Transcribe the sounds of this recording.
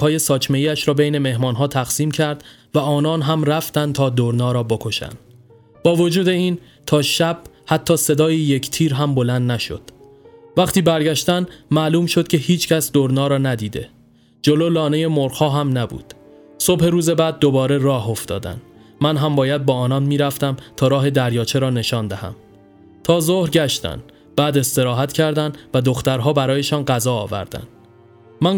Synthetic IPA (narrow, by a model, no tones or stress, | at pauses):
hɒːje̞sɒːcʰme̞ijæʃɾɒːbejne̞me̞hmɒːnɦɒːt̪ʰæɣ̥siːmcʰæɾd̪̥ | væɒːnɒːnɦæmræft̪ænd̪t̪ʰɒːd̪oɾnɒːɾɒːbokʰo̞ʃæ̰nd̪̥ | b̥ɒːvo̞d͡ʒuːd̪e̞iːn | t̪ʰɒːʃæb̥hæt̪ʰːɒːse̞d̪ɒːjije̞cʰt̪ʰiːɾɦæmbo̞lænd̪næʃo̞̰d̪̥ | væχt̪iːbæɾɟæʃt̪ænmæːluːmʃo̞d̪̥cʰe̞hiːt͡ʃʰcʰæsd̪oɾnɒːɾɒːnæd̪iːd̪e̞̰ | d͡ʒololɒːnejemoɾχhɒːɦæmnæbṵːd̪̥ | sobhe̞ɾuːze̞bæːd̪̚ːobɒːɾe̞ɾɒːɦo̞ft̪ɒ̰ːd̪æ̰n | mænɦæmbɒːjæd̪̚bɒːɒːnɒːnmiːɾæft̪æmt̪ʰɒːɾɒːɦe̞d̪æɾjɒːt͡ʃʰeɾɒːne̞ʃɒːnd̪æhæ̰m | t̪ʰɒːzohɾɟæʃt̪æ̰n | b̥æːd̪e̞st̪e̞ɾɒːɦæt̪cʰæɾd̪ænd̪væd̪o̞xt̪æɾɦɒːbæɾɒːje̞ʃɒːnɢæzɒːɒːvæ̰ɾd̪æ̰n | mæn